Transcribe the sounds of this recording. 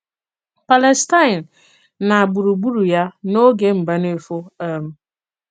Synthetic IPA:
pa˨le˨sta˦ɪ˨n̩˨ | na˨a˨bu˨ɾu˨ɡ͡bu˦ɾu˨ja˦no˦ɡe˦m̩˨ba˦ne˨fo˦a˦m̩˦

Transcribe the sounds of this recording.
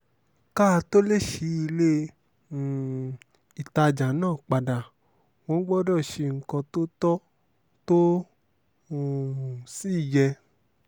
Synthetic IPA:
ka˦˧to˦le˦˨ʃi˨˦i˧le˦˨ | i˨ta˧d͡ʒa˨˦nãː˦˨k͡pa˨da˨ | wõ˧˦ɡ͡bɔ˦dɔ˦˨ʃe˧ŋ̩˨˦kɔ̃˧to˦tɔ˦ | to˦˨ | si˦˨jɛ˧

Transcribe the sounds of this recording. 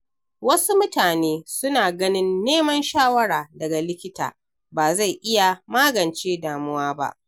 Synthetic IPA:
wɐ˦su˦mʊ˦taː˨neː˦sʊ˦naː˨ɡɐ˦nɪ˦nːeː˦mɐ˦nʃaː˦wɐ˦ɾaː˨dɐ˨ɡa˨lɪ˦kʲɪ˦ta̰ː˨ | baː˨za˦˨jʔɪ˦ja˨maː˦ɡɐ˨nt͡ʃeː˦daː˨mʊ˦waː˦ba̰˦ʔ

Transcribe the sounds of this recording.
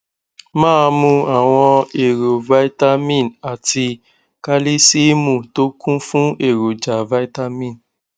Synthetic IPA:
mãː˦˧mũ˧a˦˨w̃ɔ̃˧e˨ɾo˨va˦i˦ta˦mĩ˦˨na˨ti˧ | ka˦li˦si˦mũ˦˨to˦kũ˦fũ˦e˦˨ɾo˨d͡ʒa˨va˦i˦ta˦mĩ˦˨n

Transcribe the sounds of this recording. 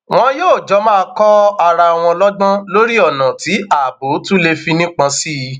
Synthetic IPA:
w̃ɔ̃˦joː˦˨d͡ʒɔ˦mãː˦˧kɔ˦a˧ɾa˧˨w̃ɔ̃˧lɔ˦ɡ͡bɔ̃˦lo˦ɾi˦ɔ˦˨nã˨ti˨˦a˦˨bo˨˦tũ˦le˧fi˧nĩ˦k͡pã˧si˦˧

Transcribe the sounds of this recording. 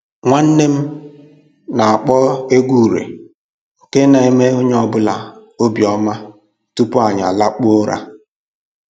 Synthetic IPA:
ŋʷa˦n̩˦ne˦m̩˦ | na˨a˨k͡pɔ˦e˦ɡʷu˦˨ɾḛ˨ | ŋ̩˨ke˦na˨e˦me˦o˦ɲ˦ɔ˨bʊ˦la˨o˦bi˨ɔ˦ma˦ | tu˦pʊ˦a˨ɲa̰˨la˦k͡pʊ˦o˦ɾa̰˦

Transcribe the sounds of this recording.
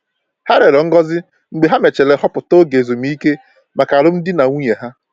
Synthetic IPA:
ha˦ɾe˨ɾɔ˨ŋ̩˦ɡɔ˦zɪ˦ | ŋ͡m̩˨ɡ͡be˨ɦa˦me˨t͡ʃe˨le˨hɔ˦pʊ˨to˦ɡe˨zo˨m̩˦i˦ke˦ | ma˨ka˨ɾʊ˦m̩˦dɪ˦na˨ŋʷu˦ɲe˨ɦa˦

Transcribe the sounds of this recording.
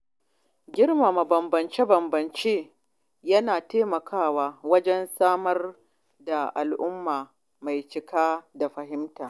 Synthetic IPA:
ɡʲɪ˦rma˨ma˨bɐ˨mbɐ˨nt͡ʃe˦bɐ˨mbɐ˨nt͡ʃeː˦ | jɐ˦naː˨teː˦mɐ˨kʰaː˦˨waː˦wɐ˦d͡ʒɛ˦nsaː˦mɐ˦r | da˨ʔa˨lʔʊ˦mːaː˨ | ma˨jt͡ʃɪ˦kaː˦da˨ɸɐ˨ɦɪ˦mtaː˨

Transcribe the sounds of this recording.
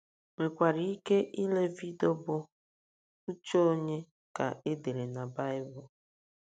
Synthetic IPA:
ŋʷe˨kʷa˨ɾi˨i˦ke˦ʔi˦le˦vi˦do˦bʊ˦ | u˦t͡ʃo˦ɲe˦ | ka̰˨e˦de˨ɾe˨na˨ba˦ɪ˦bʊ˨

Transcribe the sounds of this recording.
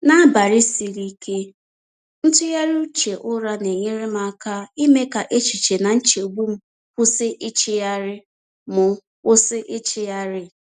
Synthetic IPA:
na˦ba˨ɾɪ˦si˨ɾi˦kʰe˦ | n̩˦tʊ˦ja˦ɾu˦u˦t͡ʃe˨ʔʊ˦ɾa˦ne˨ɲe˦ɾɪ˦m˦a˨˦ka˦i˦me˦ka˨ʔe˦t͡ʃi˨t͡ʃe˨na˨n̩˦t͡ʃe˨u˨ɡ͡bu˦m̩˦ | kʊ˦sɪ˦ʔɪ˦t͡ʃɪ˦ja˦ɾɪ˦ | mʊ˨ | ʊ˦sɪ˦ʔɪ˦t͡ʃɪ˦ja˦ɾɪ˦

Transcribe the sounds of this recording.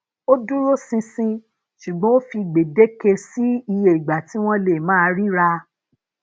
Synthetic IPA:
o˦dũ˦ɾo˦sĩ˧sĩ˧ | ʃu˨ɡ͡bɔ̃˨˦o˦fi˧ɡ͡be˨de˦ke˧si˦i˧je˧˨i˨ɡ͡ba˨ti˨˦w̃ɔ̃˦le˨mãː˦˧ɾi˦ɾa˧

